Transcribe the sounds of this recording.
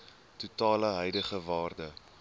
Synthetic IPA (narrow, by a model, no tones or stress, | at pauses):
tutɑːləɦœjdəχəvɑːrdə